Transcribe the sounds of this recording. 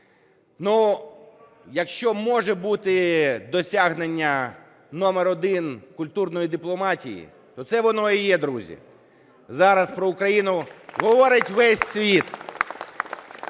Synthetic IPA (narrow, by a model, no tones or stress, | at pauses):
nu | jɐkʃt͡ʃɔmɔʒɛbut̪ɪd̪ɔsʲaɦnenʲːɐ | nɔmeɾɔd̪ɪnkʊlʲt̪urnɔjid̪ɪplˠɔmɑtʲḭjḭ | t̪ɔt̪sɛʋɔnɔijɛd̪ɾuzʲḭ | zɑɾɐspɾɔʊkɾɐjinʊɦɔʋɔɾɪtʲʋɛsʲsʲʋʲit̪